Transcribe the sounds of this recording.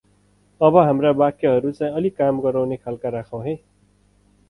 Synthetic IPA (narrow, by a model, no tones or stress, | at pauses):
ʌbʌɦamrabakeɦʌɾut͡saĩʌlikamɡʌɾawnekʰalkaɾakʰaw̃ɦe